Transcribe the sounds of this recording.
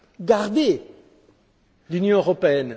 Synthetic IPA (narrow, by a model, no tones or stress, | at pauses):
ɡaʁd̪e | lynjɔ̃øʁɔpeɛn